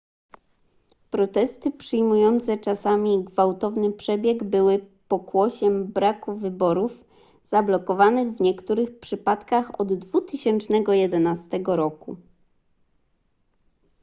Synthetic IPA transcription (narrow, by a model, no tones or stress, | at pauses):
pɾɔt̪ɛst̪ɘpʂɘjmujɔnt̪sɛt͡ʂasamʲiɡvawt̪ɔvnɘpʂɛbʲjɛɡbɘwɘpɔkwɔɕɛmbɾakuvɘbɔɾuf | z̥ablɔkɔvanɘɣvɲɛkt̪uɾɘxpʂɘpat̪kaxɔd̪ːvut̪ɘɕɛnt͡ʂnɛɡɔjɛd̪ɛnast̪ɛɡɔɾɔku